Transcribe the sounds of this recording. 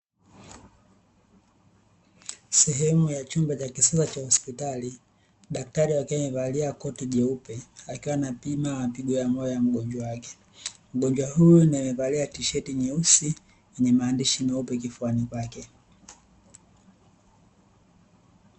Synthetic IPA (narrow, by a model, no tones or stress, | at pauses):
sɛɦɛmujat͡ʃumbat͡ʃakisasat͡ʃahɔspitali | ɗak̚taɾiwakiamɛvaliakɔtiʄɛupɛakiwanapimawapiɡɔjamɔjɔjam̩ɡɔɲd͡ʒwawakɛ̥ | m̩ɡɔɲd͡ʒwahujunamɛvaliatiʃɛtiɲɛusi | jɛɲɛmaːndiʃinaupɛkifuanikwakɛ